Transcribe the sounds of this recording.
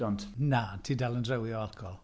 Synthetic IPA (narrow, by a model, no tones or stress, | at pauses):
ɔntnatʰiːdalˠəndrɛwiɔalkʰɔlˠ